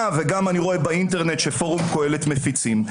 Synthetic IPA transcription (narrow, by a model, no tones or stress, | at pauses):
aveɡamaniʁo̞e̞bainteʁne̞tʃefo̞ʁumko̞e̞le̞tme̞fit͡sim